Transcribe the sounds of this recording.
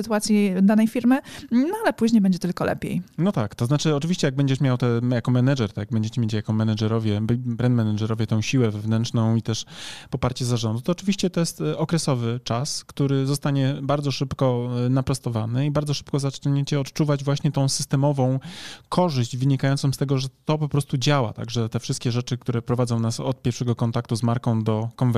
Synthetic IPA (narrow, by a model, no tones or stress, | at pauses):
ɨt̪uwat̪sʲjid̪anɛjfʲiɾmɘnɔalɛpuʑɲejbɛɲd͡ʑɛt̪ɘlkɔlɛ̰pʲjḛjnɔt̪akt̪ɔznat͡ʂɘɔt͡ʂɘvʲiɕt͡ɕɛjaɡ̚bɛɲd͡ʑɛʂmʲjawt̪ɛjakɔmɛnad͡ʐɛɾt̪ɔjaɡ̚bɛɲd͡ʑet͡ɕɛmʲjet͡ɕjakɔmɛnad͡ʐɛɾɔvʲjɛbbɾɛnd̪mɛnaʐɛɾɔvʲjɛt̪ɔ̃w̃ɕiwɛvɛvnɛnt͡ʂnɔ̃w̃it̪ɛʂpɔpaɾt͡ɕɛzaʐɔnd̪ut̪ɔːt͡ʂɘvʲiɕt͡ɕɛt̪ɔjɛst̪ɔkɾɛsɔvɘt͡ʂaskt̪uɾɘzɔst̪aɲɛbaɾd̪zɔʂɘpkɔnapɾɔst̪ɔvanɘibaɾd̪ɔʂɘ̥pkɔzat͡ʂɲet͡ɕɛɔt̪t͡ʂuvad͡ʑvwaɕɲɛt̪ɔ̃w̃sɘst̪ɛmɔvɔ̃w̃kʰɔʐɘʑd͡ʑvɘɲikajɔnsɔ̃st̪ɛɡɔʐɛt̪ɔpɔpɾɔst̪ud͡ʑawa̰t̪a̰ɡʐɛt̪ɛfʂɘst̪kʲɛʐɛt͡ʂɘk̚t̪uɾɛpɾɔvad̪zɔ̃w̃nasɔt̪̚pʲjɛɾfʂɛɡɔkɔnt̪akt̪uzmaɾkɔ̃w̃d̪ɔkɔnv